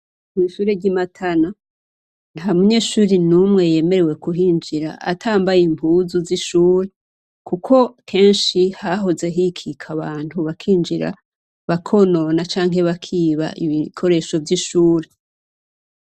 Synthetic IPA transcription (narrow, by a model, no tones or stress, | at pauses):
miʃuːɾebɟimatʰana | n̥hamuɲe̞ʃuːɾinumŋe̞je̞ːme̞ɾe̞we̞kuɦiːnd͡ʒiɾa̰ʔa̰tʰaːmbajimpuːzuziʃuːɾe̞ | kukʰo̞kʰe̞ːnʃihaɦoze̞ɦikʰikʰaβaːn̥huβakʰiːnd͡ʒiɾa̰ | βakʰo̞no̞nat͡ʃaːŋɦe̞βakʰiːβa̰ʔiβikʰo̞ɾe̞ːʃo̞vɟiʃuːɾe